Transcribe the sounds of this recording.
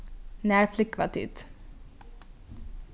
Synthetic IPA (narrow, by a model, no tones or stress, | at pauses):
næːɹflʏkːʋɑ̰t̪ʰḭt̪